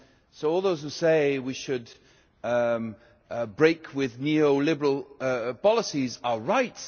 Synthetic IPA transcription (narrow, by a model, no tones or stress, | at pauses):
soʊɔːlˠðoʊz̥hʉseɪwiʃɨd | bɹeɪkʰwɪðnioʊlɪbə˞əlˠpɑlˠəsizəɹaɪt